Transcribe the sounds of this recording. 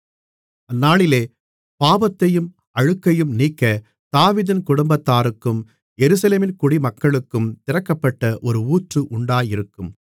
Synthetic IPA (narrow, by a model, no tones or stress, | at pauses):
ɐnːaːɭɪleː | paːbɐt̪ːɐjɯm | ɐɻɯkːɐjɯmniːkːɐ | t̪aːʋiðɪnkʊɽʊmbɐt̪ːaːɾɯkːɯm | jɛɾɯsɐleːmɪnkʊɽimɐkːɐɭɯkːɯmt̪ɪrɐkːɐpːɐʈːɐʔɔɾɯuːʈrɯʔʊɳɖaːjɪɾɯkːɯm